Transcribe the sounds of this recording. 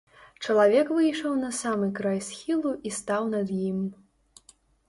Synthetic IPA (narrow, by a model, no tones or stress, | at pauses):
t͡ʂɐlˠavʲɛkvɨjʂɐwnɐsamɨkɾajsʲxʲilˠuʔist̪awnɐd̪jim